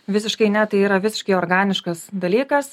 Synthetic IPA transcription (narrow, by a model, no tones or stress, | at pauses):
ʋʲɪsʲɪʃkɐɪnʲɛt̪ɐɪiːɾɐʋʲɪsʲɪʃkɐɪoɾɡɑːnʲɪʃkɐsd̪ɐlʲiːkɐs